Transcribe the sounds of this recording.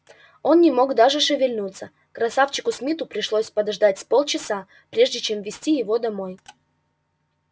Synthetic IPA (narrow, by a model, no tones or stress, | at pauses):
o̞nnʲɪmo̞ɡd̪aʐɨʂɨvʲɪlʲnut̪sə | kɾɐsaft͡ɕɪkʊsmʲit̪ʊpɾʲɪʂlˠosʲpəd̪ɐʐd̪atʲspolˠt͡ɕɪsa | pɾʲe̞ʐdʲɪt͡ɕe̞mvʲɪsʲtʲijɪvo̞d̪ɐmo̞j